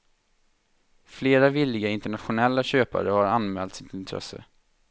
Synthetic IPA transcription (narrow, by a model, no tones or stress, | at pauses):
fleːɾavɪlːɪɡaɪnt̪əɳat̪ɧʊnɛlːaɕøːpa̰ɾəhaɾanmɛːlt̪sɪt̪ɪnt̪ʰɾɛ̰sə̰